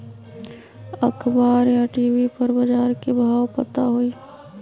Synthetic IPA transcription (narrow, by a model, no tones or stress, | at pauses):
əkʰbaːɾjaʈiːwipɐɾbəd͡ʒaːɾkebʱaːwpət̪aɦoi